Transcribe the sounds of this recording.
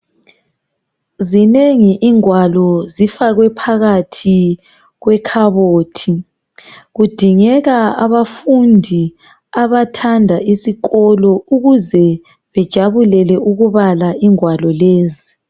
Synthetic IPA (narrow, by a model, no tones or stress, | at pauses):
zineŋiʔiŋwalɔzifaɣwɛpʰaɣatʰi | ɣwɛkʰaβoːtʰi | ɣud̥ʱiŋɛɣaa̰βafundʱi | aβatʰandʱaisiɣɔlɔuɣuzɛ | βɛd̥ʒ̥ʱaβulɛlɛʔuɣuβalaʔiŋwalɔleːzi